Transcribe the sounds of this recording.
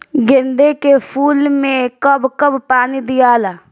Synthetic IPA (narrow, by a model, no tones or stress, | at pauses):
ɡɪnd̪ekepʰuːlmẽkəbkəbpaːnid̪ɪjaːlaː